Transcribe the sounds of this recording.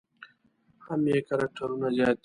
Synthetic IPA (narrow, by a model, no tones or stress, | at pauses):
hamjeːkɐɾɐk̚ʈʰɐɾunazaːt̪i